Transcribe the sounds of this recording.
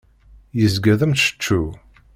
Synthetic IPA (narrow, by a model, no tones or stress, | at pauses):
jəzɡæðəmʃə̥t͡ʃːu